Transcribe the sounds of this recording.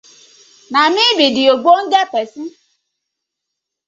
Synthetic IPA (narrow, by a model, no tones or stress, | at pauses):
mamĩbidioɡ͡bon̩dɛpɛsĩ